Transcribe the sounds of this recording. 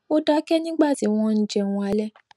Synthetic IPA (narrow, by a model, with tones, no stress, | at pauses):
o˦da˦kɛ˦nĩ˦ɡ͡ba˦˨ti˨˦w̃ɔ̃˦n̩˦d͡ʒɛ˦˨wɔ̃˧a˨˧˦lɛ˦